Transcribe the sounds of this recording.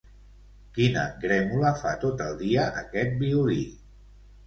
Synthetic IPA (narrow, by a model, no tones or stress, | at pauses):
kinə̰ɡɾɛmuləfa̰t̪ot̪əlˠd̪iəʔːkɛt̪̚biuli